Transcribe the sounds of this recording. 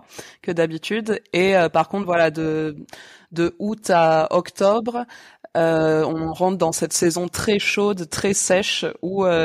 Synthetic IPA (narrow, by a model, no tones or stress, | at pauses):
kəd̪abit̪yd̪eøpaʁkɔ̃t̪vwalad̪ə | d̪əut̪aɔkt̪ɔbʁ | øɔ̃ʁɑ̃t̪d̪ɑ̃sɛt̪sɛzɔ̃t̪χɛʃod̪t̪χɛsɛʃuø